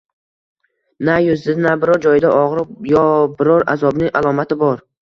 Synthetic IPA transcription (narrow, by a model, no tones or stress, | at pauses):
najʊzd̪ɪd̪nabɪɾɒɾd͡ʒɒjɪd̪aʔɒʁɾɪjɒbɪɾɒɾa̰zɒbnɪŋʔalˠɒmat̪ʰɪbɒɾ